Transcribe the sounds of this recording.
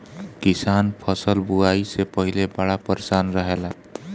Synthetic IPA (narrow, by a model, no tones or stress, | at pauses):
kisanpʰʌsəlbuaisepəɦilebaɽapəɾsanɾəɦela